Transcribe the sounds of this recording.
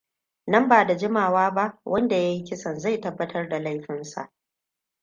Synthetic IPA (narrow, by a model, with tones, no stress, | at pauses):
nɐ˦mbaː˨da˨d͡ʒɪ˦maː˨waː˦ba˦ʔwʔɐ˦nda˨ja˦ji˦kʲɪ˦sɐ˨nza˦˨jtɐ˦bːɐ˦tɐ˦rda˨la˦jɸɪ˦nsa̰˨ʔ